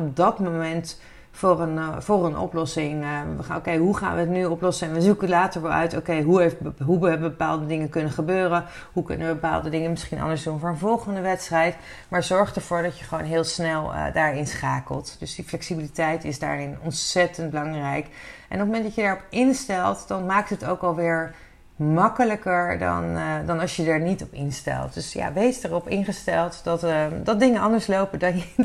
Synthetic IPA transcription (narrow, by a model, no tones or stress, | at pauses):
ɔp̚dɑtmomɛnt | forənvʊːrənʔɔ̰plɔsɪŋəχo̰wkejɦuχa̰ːnʋəətnyɔplɔsəɛnʋəzukəlaːtəɹʋɛlˠœ̰ɥto̰kejɦueɦubbəbəpa̰ːlˠdədɪŋəkɵnənχəbøːrə | ɦukɵ̰nəʋəbəpa̰ːlˠdədɪŋənmɪsχinʔɑ̰ndəɹzdunvʊːɹənvɔlˠχəndəʋɛtstrɛjt | maːɹzɔɹχdəɹv̥ʊːɹdɑtjəχəʋownɦɪːlˠsnɛl̰ˠdaːɹɪnsχaːkə̰lˠtd̥ɵzdiflɛksibilitɛjtɪzda̰ːɹɪnɔntsɛtənd̚bəlɑŋrɛjkʔɛ̰nɔp̚məmɛntdɑcjədaːɹɔpɪnstɛlˠtdɑnmaːk̚tɦətowkɑlˠʋɪːɹ | mɑkələkəɹdɑ̰ndɑnɑlˠʃjədaɹnitɔpɪnstɛ̰lˠt̚d̥ɵsja̰ʋejsdərɔpɪnχəstɛlˠtdɑtdɑt̚dɪŋənɑndəɹslowpədɑn